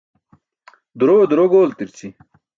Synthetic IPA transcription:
d̪uɾod̪uɾoɡoːlt̪iɾt͡si

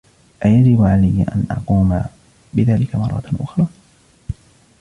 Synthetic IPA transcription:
ʔajad͡ʒɪbʕalajːʔa̰nʔɑ̰quːma̰ | bɪðaːlɪkamɑrˤːɑ̰t̪ʔʊxɾˤɑː

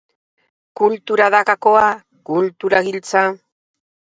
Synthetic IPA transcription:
kult̪uɾaðakakoa | kult̪uɾaɡɪlt͡sa

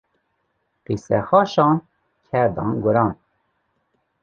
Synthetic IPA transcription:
qisɛ̰xɑʃɑn | kʰɛɾd̪ɑ̰nɡuɾɑn

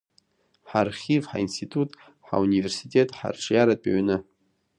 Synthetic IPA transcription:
ħarχʲivħa̰instʰitʰʼutʼ | ħa̰universitʼe̞tʼħa̰rʈ͡ʂʰʼjaɾatʼa̰ɥnɨ

